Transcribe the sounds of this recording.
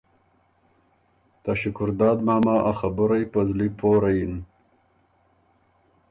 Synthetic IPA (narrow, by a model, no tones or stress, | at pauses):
t̪aɕukʊɾd̪aːd̪maːmaːʔaxabʊɾajpɐzlipʰoːɾajin